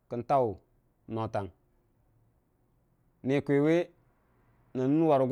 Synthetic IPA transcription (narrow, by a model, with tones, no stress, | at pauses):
kə˨n˦ta˦u˨ | no˨ta˨ŋ | ni˨kʷe˨we˦ | na˨n˦n˦wa˨ɾu˨ɡ